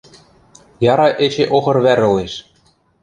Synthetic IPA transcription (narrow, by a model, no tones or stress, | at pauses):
jɑɾɑʔet͡ɕeʔoxɤ̆rβæɾɤ̆leʃ